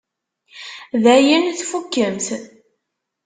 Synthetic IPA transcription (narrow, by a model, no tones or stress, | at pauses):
ðæjənθfukːəmt̪